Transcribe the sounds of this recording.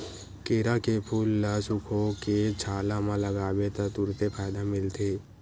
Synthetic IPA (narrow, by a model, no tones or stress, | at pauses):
keːɾakepʰuːlːasʊkʰoket͡ʃʰaːlamãləɡaːwet̪at̪ʊɾt̪epʰaːd̪amɪlt̪ʰeː